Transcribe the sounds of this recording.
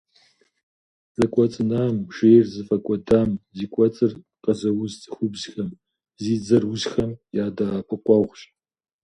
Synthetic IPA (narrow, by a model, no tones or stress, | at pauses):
zʼɐkʷʼɔt͡sʼɨnaːmʒejrzɨfɐkʷʼɔdaːmziːkʷʼɔt͡sʼɨr | qɐzɐwʊzt͡sʼɨxʷʊbzxɐm | ziːzɐrwʊʑxɐmjaːdapʰɨqʷʼɔʁʷɕʼ